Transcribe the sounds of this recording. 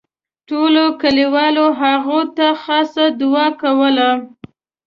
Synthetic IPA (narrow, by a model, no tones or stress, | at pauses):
ʈolokəliwɑloɦaɣot̪axɑsad̪ʊɑkawəla